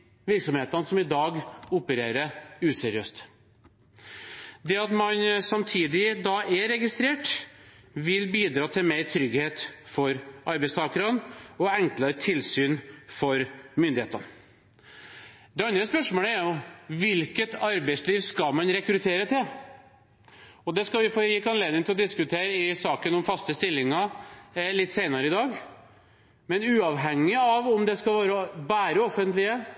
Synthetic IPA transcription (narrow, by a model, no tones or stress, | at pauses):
ʋɪɾksɔmheːt̪ɑnəsɔmɪd̪ɑːɡʊpəɾeːɾəʉːsɛɾɪøːst̪ | d̪ɛɑt̪mɑnsɑmt̪ʰiːd̪ɪd̪ɑɛɾɛɡɪst̪ɾeːʈ | ʋɪlbiːd̪ɾɑːt̪ʰɪlmeɾt̪ʰɾʏɡheːt̪fɔɾʔɑɾbɛɪst̪ʰɑːkəɾɑnɔɛŋklɑɾt̪ʰɪlsyːnfɔɾmʏnd̪ɪḛːt̪ən | d̪ɛɑnd̪ɾəspœʂmoːləæɾjʊʋɪlkət̪ʰɑɾbɛɪsliːʋskɑmɑnɾɛkɾʉt̪ʰeːɾət̪ʰɪl | ɔd̪ɛskɑlʋɪfoɾjɪkːɑnleːd̪ɪŋt̪ɪlɔd̪ɪskʉt̪ʰeːɾəɪsɑːkənɔmfɑst̪əst̪ɪlːɪŋɑ | lɪt̪ːseɪnɑɾəɪd̪ɑːɡ | mɛnʉːɑʋɦɛŋːɪɑʋɔmd̪ɛskɑʋɑːɾɔbæːɾəɔfːənt̪lɪə